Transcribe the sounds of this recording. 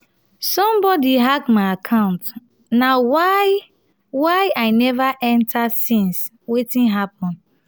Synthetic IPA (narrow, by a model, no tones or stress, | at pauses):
sɔ̃mbɔdiɦakmaɪakʰãʊ̃nt | nawaɪ | waɪaɪnɛvaʔɛ̃ntʰasĩns | wetĩnɦap̚ɔ̃n